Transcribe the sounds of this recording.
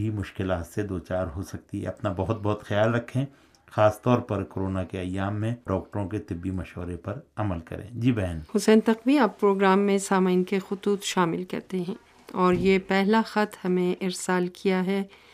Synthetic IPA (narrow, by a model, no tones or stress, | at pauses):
imʊʃkɪlaɦɐsːed̪oːt͡ʃaːɾɦosɐk̚t̪iɦɛ̰ɐpnabɐɦʊt̪̚bɐɦʊt̪xɐjaːlɾɐkʰːẽː | xaːst̪ɔːɾpɐɾkoɾoːnakeɐjːaːmːẽɖɔːk̚ʈəɾõket̪ɪbːimɐʃɦɾepɐɾɐməlkɐ̰ɾḛ̃ːd͡ʒiːbɛɦnhʊsɛ̃ːnt̪ɐqbĩaːpːɾoːɡɾaːmːẽsaːmainkexʊt̪uːt̪ʃaːmɪlkɐ̰ɾt̪eɦɛ̃ː | ɔːɾjepɛɦlaxɐt̪hɐmẽʔɪɾsaːlkʰijaɦɛː